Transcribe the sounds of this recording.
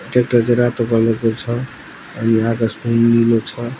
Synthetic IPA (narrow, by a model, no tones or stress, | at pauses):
iʈek̚ʈʌd͡zeɾat̪okʌlekot͡sʰʌ | ʌniɦãkaspunːilot͡sʰʌ